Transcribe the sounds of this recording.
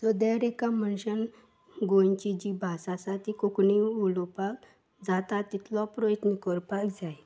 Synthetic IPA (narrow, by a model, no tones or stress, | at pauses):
t̪ɔd̪eɾekamənɕən | ɡont͡ɕid͡ʑibʱasasat̪ikokɳiulɔpak | d͡zat̪at̪it̪ʰlɔpɾɔjət̪nikɔɾpakd͡zaj